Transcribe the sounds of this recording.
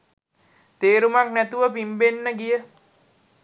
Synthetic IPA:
t̪eːɾumaknæt̪uʋəpimbenːəɡijə

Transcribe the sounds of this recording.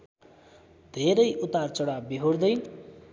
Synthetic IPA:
d̪ʱeɾʌjʔut̪art͡sʌɽabiɦoɽd̪ʌj

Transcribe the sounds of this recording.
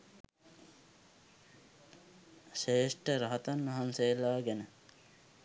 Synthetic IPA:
ʃeːʂʈəɾaɦat̪anːɐɦansejlaːɡænə

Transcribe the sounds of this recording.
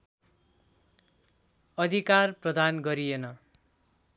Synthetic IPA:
ʌd̪ʱikarprʌd̪anɡʌɾijenʌ

